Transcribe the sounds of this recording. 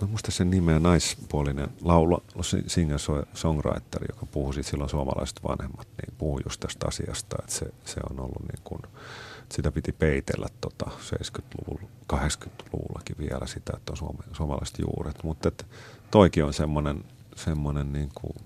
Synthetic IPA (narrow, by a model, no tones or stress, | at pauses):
mæmuist̪ɑssennimenɑispuolinḛnlɑulɑsḭsiːŋːɑnsoisoŋrɑ̰it̪ːerḭjo̰kɑpuhusit̪silːonsuɑmɑ̰lɑ̰ise̥t̪ʋɑ̰nhemːɑt̪nḭːpuhujust̪æst̪ɑ̰siɑst̪ɑet̪sesḛo̰nolːunḭːŋkunesit̪æpit̪ipeit̪ḛlːæt̪tot̪ɑsḛiskyt̪luʋul | kɑhekskyt̪lṵʋulːɑkiʋiælæsit̪æet̪ːonsuɑmesuɑmɑlɑ̰ise̥t̪jṵːret̪mut̪ːet̪t̪oikionsemːonen | semːonenniːŋkṵ